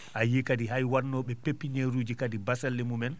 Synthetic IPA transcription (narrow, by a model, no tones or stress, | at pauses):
ʔajikadiɦajwanːɔɓɛpepːiɲeɾuːd͡ʒikadibasalːɛmumɛn